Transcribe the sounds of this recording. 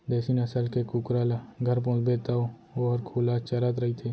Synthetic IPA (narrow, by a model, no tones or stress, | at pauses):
d̪ɛːsinɐsəlkekukɾalaɡʱɐɾp̬õːt͡ʃbeːt̪ao | oɔːɾkʰuːlat͡ʃɐɾat̪ɾɐɦit̪ʰeː